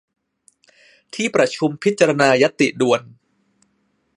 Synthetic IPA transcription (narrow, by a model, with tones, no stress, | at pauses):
t̪ʰiː˥˩pɾa˧t͡ɕʰu˧mpʰi˦˥t̪̚t͡ɕːa˧ɾa˧naː˧ja˦˥t̪ːi˨˩du˧ən